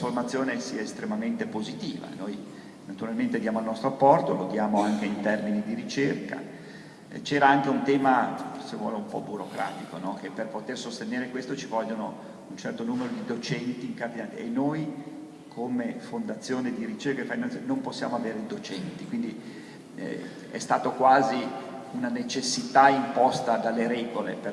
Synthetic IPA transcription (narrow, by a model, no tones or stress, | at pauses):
format̪sːjoːnesiːaest̪ɾemament̪epozit̪ḭːva̰noj | nat̪uɾalment̪ed̪jaːmoalnɔst̪ɾoapːɔrt̪olod̪jaːmoaŋkeint̪ɛrminid̪iɾit͡ʃerka̰ | t͡ʃɛːɾaaŋk̟eunt̪ɛːmasevwɔ̰ːleumpɔ̰buɾokɾa̰ːt̪ikonɔk̟epːerpot̪ersost̪eneːɾekwest̪ot͡ʃivɔʎːono | unt͡ʃɛrt̪onuːmeɾod̪id̪ot͡ʃɛnt̪iːŋkard̪inaːt̪ienːoj | kʰomefond̪at̪sːjoːned̪iɾit͡ʃerkafainannomposːja̰ːmoaveːɾeid̪ot͡ʃɛnt̪ikwind̪ḭ | ɛ̰st̪aːt̪okwaːziunanet͡ʃesːit̪aimpɔst̪ad̪alːeɾɛːɡolḛpe